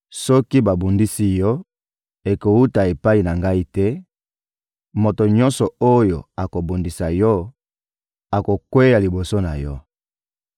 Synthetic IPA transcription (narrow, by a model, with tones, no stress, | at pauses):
sɔ˦ki˦ba˨bu˨ndi˦si˦jɔ˦ | e˨ko˨wu˦ta˨e˨pa˦i˨na˨ŋɡa˦i˦tɛ˦ | mo˨to˨ɲɔ˦nsɔ˨o˦jo̰˨a˨ko˨bu˨ndi˨sa˨jɔ˦ | a˨ko˨kwe˦ja˨li˨bo˨so˦na˨jɔ˦